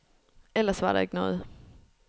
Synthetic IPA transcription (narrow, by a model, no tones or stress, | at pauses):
elɐsʋɑ̈ɾɑ̈e̝ɡ̥nɔ̽ːð̞̩ˠ